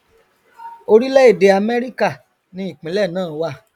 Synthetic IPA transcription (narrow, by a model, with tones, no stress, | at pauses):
o˧ɾi˦lɛ˦e˦˨de˨˧a˧mɛ˦ɾi˦ka˦˨ | nĩ˧˦i˦˨k͡pĩ˨˦lɛ˦˨nãː˦˨˦wa˦˧˨